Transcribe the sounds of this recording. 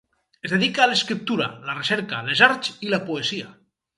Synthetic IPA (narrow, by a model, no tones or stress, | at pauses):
ezðeðikaːleskɾip̚t̪uɾa̰lareseɾkalezaɾt͡ʃilapoesia